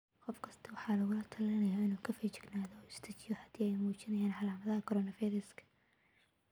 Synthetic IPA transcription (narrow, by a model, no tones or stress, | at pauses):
qɔfkʰɐst̪ʰɐwɑħɑːlɐɣʊlɐt̪ʰɐlɐnɐjaːɪnuːkʰɐfiːt͡ʃɪ̥ɡnaːðɔːɪst̪ʰɐt͡ʃɪjɔhɐd̪iːɛjmuːt͡ʃɪnɐjaːnħɑlaːmɐðɐɦɐkʰɔɾɔːnɐfiːɾɐskʰɐ̥